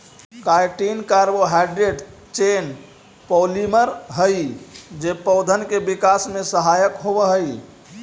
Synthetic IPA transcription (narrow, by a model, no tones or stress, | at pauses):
kajʈinkaɾboɦaɖɾeɖ | t͡ʃen | pɔliməɾɦəjd͡ʒepəʊd̪ʱənkebikasmẽsəɦajəkɦobəɦəj